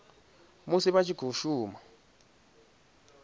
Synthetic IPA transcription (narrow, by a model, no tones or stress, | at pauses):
musiɓat͡ʃʰiɡ̥ʱuʃuːma